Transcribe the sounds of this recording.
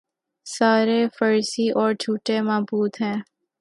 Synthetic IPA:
saːɾefəɾsiʔɔːɾd͡ʒʱuːʈemaːbuːd̪ɦɛ̃ː

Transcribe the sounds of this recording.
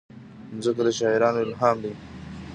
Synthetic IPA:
mzəkad̪əʃɑːɪɾɑːnoɪlɦɑːmd̪i

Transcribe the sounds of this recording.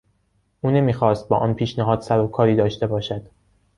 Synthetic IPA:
ʔuːne̞miːxɒːst̪̚bɒ̰ːʔɒːnpʰiːʃnæɦɒːd̪sæɾokʰɒːɾiːd̪ɒːʃt̪e̞bɒːʃæd̪̥

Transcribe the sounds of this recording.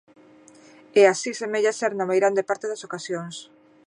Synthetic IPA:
ɛasisemeʎasɛɾnamejɾand̪epaɾt̪eðasokasjoŋs

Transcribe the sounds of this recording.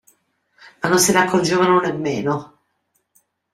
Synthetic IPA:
manːonsɪneakʰːord͡ʒeːvanonemːeːno

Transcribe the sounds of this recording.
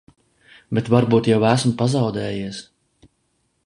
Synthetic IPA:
bɛt̪vaɾbuːt̪jawæsmpazɑwd̪ɛːjiɛs

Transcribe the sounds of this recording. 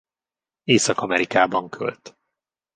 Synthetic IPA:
eːsɒkɒmɛɾikaːbɒŋkʰø̰lt̪

